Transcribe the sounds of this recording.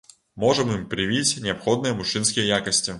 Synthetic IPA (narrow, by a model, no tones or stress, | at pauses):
mo̞ʐɨmɨmpɾʲɪvʲitʲnʲɪɐpxo̞d̪nɨjəmʊʂɨnskʲɪjəjakəsʲtʲɪ